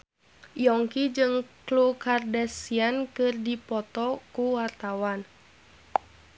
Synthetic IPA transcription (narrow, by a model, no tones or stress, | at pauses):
jɔŋkid͡ʒɨŋklukardɛsiankɨrdipɔt̪ɔkuwart̪awan